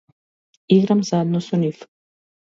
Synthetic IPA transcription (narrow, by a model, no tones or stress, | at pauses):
iɡɾamzad̪̚nɔsɔnif